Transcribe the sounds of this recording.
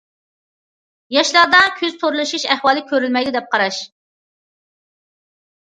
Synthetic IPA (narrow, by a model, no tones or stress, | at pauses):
jɑʃlˠɑɾd̪ɑkʲʰøzt̪ʰoɾlˠɨʃuʃɛχwɑːlˠɪkʲʰøɾylmɛjd̪ɪd̪ɛp̚qɑɾɑʃ